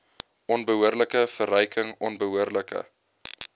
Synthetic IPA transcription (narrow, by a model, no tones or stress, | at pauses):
ʔɔnbəɦuərləkəfərœjkʰəŋɔnbəɦuərləkə̰